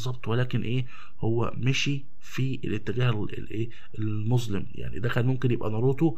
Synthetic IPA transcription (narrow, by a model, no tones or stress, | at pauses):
zˤːɑb̚t̪ˤwelæːkenʔeː | howːæ̰mæʃi | fiʔḛlʔet̪ːeɡæːhe | ḛlʔeː | el | mozlemjʔa̰ʕnḭd̪æxæːd̪momkenjebʔæ̰nɑɾˤoːt̪ˤu